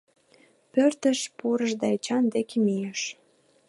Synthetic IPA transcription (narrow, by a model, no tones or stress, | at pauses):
pørt̪əʃpuɾəʒd̪ɑet͡ɕɑnd̪ekemijeʃ